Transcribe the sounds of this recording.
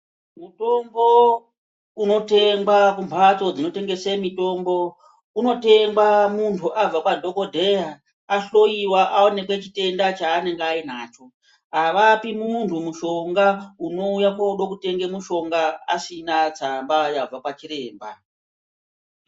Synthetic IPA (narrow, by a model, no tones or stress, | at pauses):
muto̞mbo̞ | uno̞te̞ŋɡwakumbʰʱat͡so̞d͡zino̞te̞ŋɡe̞semito̞mbo̞ | uno̞te̞ŋɡwamuntʰuʔab͡vakwadʱo̞ko̞dʱe̞ja | aɬo̞iwaʔaone̞kwet͡ʃite̞ndat͡ʃaːne̞ŋɡeainaːt͡ʃo̞ | aʋapimuntʰumuʃo̞ŋɡauno̞ujakwauɗokute̞ŋɡe̞muʃo̞ŋɡaasinat͡sambajab͡vakwat͡ʃiɾe̞ːmba̰